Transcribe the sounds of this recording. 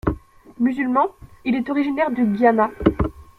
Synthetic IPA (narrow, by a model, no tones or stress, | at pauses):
myzylmɑ̃ilɛt̪ɔʁiʒinɛʁd̪əɡjana